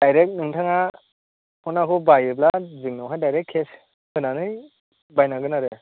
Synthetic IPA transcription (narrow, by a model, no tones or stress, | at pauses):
d̥ajɾek̚nɯŋtʰaŋa | hɔnakʰubajɯp̬lazɯŋnawɦajdajɾekʰːes | hɯnanɯj | bajnaɡɯnaɾɯ